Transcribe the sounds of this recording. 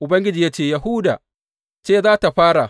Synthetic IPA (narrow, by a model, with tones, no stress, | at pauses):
ʔʊ˨bɐ˦ŋɡʲɪ˦d͡ʒiː˨ja˦t͡ʃeː˦˨ja˨hʊ˦da̰ː˨ | t͡ʃeː˦˨zaː˦ta˨ɸaː˦ɽa˨